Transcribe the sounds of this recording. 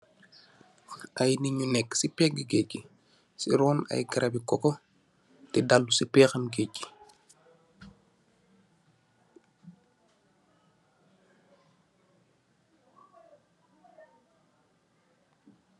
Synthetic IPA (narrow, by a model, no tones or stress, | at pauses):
ʔɐjniɲunɛkːsipɛɡiɡecːi | sḭɾɔːnɐ̰jɡɐɾʔɐbikɔkɔ | tɛdalːusipɛːxɐmɡecːi̥